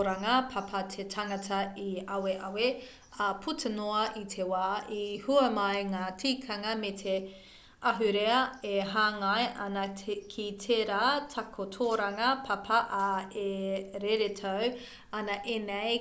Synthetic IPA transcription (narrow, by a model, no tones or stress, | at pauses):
ɾaŋɐpʰapʰɐtʰetʰaŋɐtʰɐiɐweʔɐwe | ɐpʰutʰenoɐʔitʰewaːihuɐmɐjŋaːtʰiːkʰɐŋɐmetʰe | ɐɦʉɾeɐeɦaːŋajʔɐnɐkʰitʰeːɾaːtʰɐkʰotʰoːɾaŋɐpʰapʰɐʔaeɾeɾetʰow | ɐnɐʔenej